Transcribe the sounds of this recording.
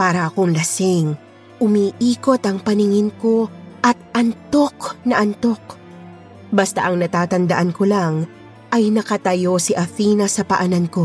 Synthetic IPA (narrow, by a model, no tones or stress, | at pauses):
paːɾɐʔɐko̞ŋlɐsɪŋ | ʔʊmiʔiːko̞t̪ʔɐŋpɐnɪŋɪnko̞ʔɐt̪̚ɐnt̪o̞knɐʔɐnt̪o̞k | bɐst̪a̰ʔɐŋnɐt̪aːt̪ɐnd̪ɐʔɐnko̞laŋ | ʔɐjnɐkɐt̪ɐjo̞siʔɐθiːnɐsɐpɐʔɐnɐnko̞